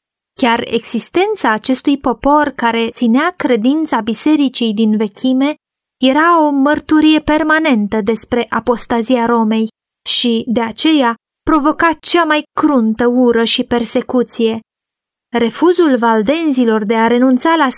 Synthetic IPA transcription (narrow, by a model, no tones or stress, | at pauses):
kʲare̞̰ɡz̥ist̪e̞nt̪saːt͡ʃe̞st̪ujpo̞po̞rkaɾe̞t̪sineakɾe̞d̪int̪sabise̞ɾit͡ʃijd̪inve̞kʲʰime̞ | je̞ɾao̞mərt̪uɾije̞pe̞rmane̞nt̪əd̪e̞spɾe̞ʔapo̞st̪azijaɾo̞me̞j | ʃid̪e̞at͡ʃe̞ja | pɾo̞vo̞kat͡ʃamajkɾunt̪əuɾəʃipe̞rse̞kut̪sije̞ | ɾe̞fuzulvald̪e̞nzilo̞rd̪e̞aɾe̞nunt̪sala